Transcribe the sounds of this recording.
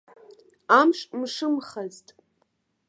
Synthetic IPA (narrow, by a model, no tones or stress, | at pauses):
amʂʼmʂɨmχaztʼ